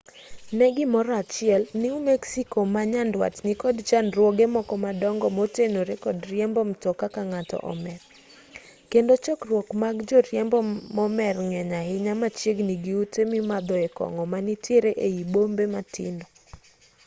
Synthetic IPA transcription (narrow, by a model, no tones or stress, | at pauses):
nɛɡɪmɔɾat͡ʃɪɛlniumeksikomaɲandwa̰tnikɔdt͡ʃanrwɔɡemɔkɔmadɔŋɡɔmotenoɾekɔdɾjɛmbɔmtɔkakaŋatɔ̰ʔɔ̰mɛr | kendot͡ʃɔkrwɔkmaɡd͡ʒoɾjɛmbɔmɔmɛrŋɛɲaɪɲamat͡ʃjeɡniɡiutemimad̪ɔɛkɔ̰ŋɔmanitjeɾeʔeibombematɪ̰ndɔ